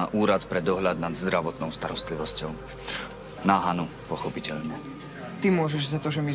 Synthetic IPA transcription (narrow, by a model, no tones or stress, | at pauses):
aʔuːɾat̪pɾɛd̪ɔɦʎad̪̚nad̪zd̪ɾaʋɔt̪nɔʊst̪aɾɔst̪liʋɔscɔʊ | naɦanupɔxɔpicɛʎɲɛ | t̪imʊɔʒɛʒzat̪ɔʒɛmi